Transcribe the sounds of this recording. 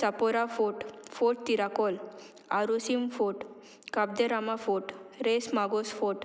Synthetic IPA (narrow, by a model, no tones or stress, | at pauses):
sapɔɾafoʈfoʈ̚t̪iɾakɔl | aɾusimfoʈ | kab̚d̪eɾamafoʈɾesmaɡosfoʈ